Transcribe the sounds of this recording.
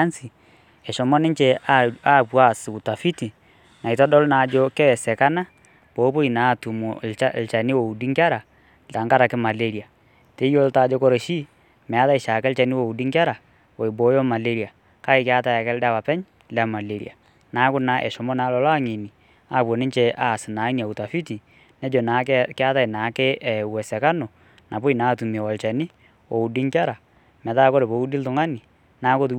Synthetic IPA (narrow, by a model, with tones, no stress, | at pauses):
a˦nsi˨ | ɛ˨ʃɔ˨mɔ˦nɪ˦ɲt͡ʃɛ˨aa˦pwa˦˨sɪ˨u˨ta˨fi˦ti˨ | na˨i˨tɔ˦dɔ˦lna˨d͡ʒɔ˦kɛ˦wɛ˨sɛ˨ka˦na˦ | bo˨˦po˦i˨na˨˦˨tu˨mu˨a˦lt͡ʃa˨nɪ˦wo˨u˨di˦ŋka˦ɾa˨ | ta˨ŋka˦ɾa˨kɪ˦ma˨le˦ɾi˨a˨ | te˨˦jo˦lta˨d͡ʒɔ˦kɔ˦ɾe˨ʃi˦ | mɛ˨a˦ða˦i˨ʃa˨kɛ˦lt͡ʃa˨nɪ˦wo˨u˨di˦ŋka˦ɾa˨ | wɔ˨i˨bɔ˨˦jɔ˦ma˨le˦ɾi˨a˨ | ka˦ɪ˨kɪ˦a˦ta˦˨jɛ˨kɛ˦lda˦pa˨pɛ˦ɲ | lɛ˨˦˨ma˨le˨ɾḭ˨a˨ | na˨˦kʊ˦na˦ʔɛ̰˨ʃɔ˨mɔ˦na˦lɔ˨lɔ˦a˦ŋi˨ni˨ | a˦˨pwɔ˨nɪ˦ɲt͡ʃɛ˦ʔa˨sɪ˨na˨˦i˦n˨a˨u˨ta˨fi˦ti˨ | nɛ˦d͡ʒɔ˨na˨˦kɪ˦a˦ta˦i˨na˨˦ke˦ʔɛ˨wɛ˨sɛ˨ka˦nɔ˨ | nʔa˨pʊ˦i˨naː˦˨tu˨mi˨ɛ˨wɔ˨lt͡ʃɛ˨ni˦ | wo˨u˨di˦ŋka˦ɾa˨ | mɛ˨taː˦kɔ˦ɾe˨po˨u˦di˦ltʊ˨ŋa˦ni˨ | naː˦kʊ˦t